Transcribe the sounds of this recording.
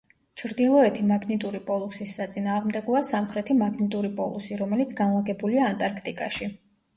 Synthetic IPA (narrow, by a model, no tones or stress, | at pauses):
t͡ʃʰɾd̪ilˠɔɛt̪ʰimaɡnit̪ʼuɾipʼɔlˠusisːat̪sʼinaːʁmd̪ɛɡɔasamχɾɛt̪ʰimaɡnit̪ʼuɾipʼɔ̰lˠusiɾɔmɛlit̪sʰɡ̥anlˠaɡɛbuliaːnt̪ʼaɾkʰt̪ʼikʼaʃi